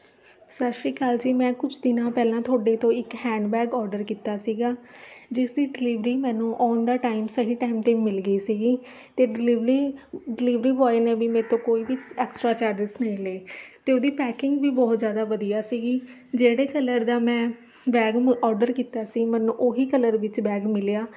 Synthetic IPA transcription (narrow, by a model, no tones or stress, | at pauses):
saːʃɾiːkaːld͡ʒiːmɛ̃ːkʊt͡ʃʰd̪ɪnãːpɛːlãːt̪ʰoːɖeːt̪õːɪkhɛ̃ːɳɖbɛːɡɔːɾɖəɾkiːt̪aːsiːɡaːd͡ʒɪsd̪iːɖɪliːʋɾiːmɛ̃ːnũːʔɔːnd̪aːʈaːɪmsəɦiːʈaːɪmt̪eːmɪlɡəiːsiːɡiː | t̪eːɖʋɾiːɖɪliːʋɾiːʋɔːeneːbiːmɛ̃ːt̪õːkoːiːʋɪt͡ʃɛːksʈɾaːt͡ʃaːɾd͡ʒɪsnə̃ĩleːt̪eːoːd̪iːpɛːkɪŋɡʋiːbɔːt̪zjaːd̪aːʋəd̪ijaːsiːɡiːd͡ʒeːɽeːkələɾd̪aːmɛ̃ː | bɛːɡmɔːɾɖəɾkiːt̪aːsiːmɛ̃ːnũːʔoɦiːkələɾʋɪt͡ʃbɛːɡmɪlejaː